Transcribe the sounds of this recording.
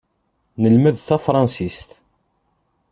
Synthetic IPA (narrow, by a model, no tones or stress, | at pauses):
nəlməðθæfɾˤɑnsist̪